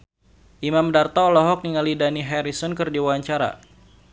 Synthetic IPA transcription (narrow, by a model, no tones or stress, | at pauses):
ʔimamdart̪ɔːlɔɦɔk̚niŋalidaniɦɛɾisɔnkɨrdiwwaɲt͡ʃaɾa̰